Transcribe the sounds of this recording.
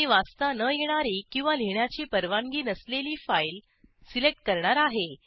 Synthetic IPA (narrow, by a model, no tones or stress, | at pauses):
iʋast̪anəjeɽ̃aɾikĩw̃ʋaleɳjat͡ɕiːpəɾʋaŋɡiːnəsleliːfajl | silek̚ʈ̚kəɾɳaɾaɦe